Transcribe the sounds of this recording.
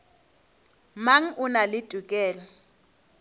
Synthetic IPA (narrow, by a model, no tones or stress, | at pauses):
maŋ̩ʊnalɪd̥ʼʱukʼɛːla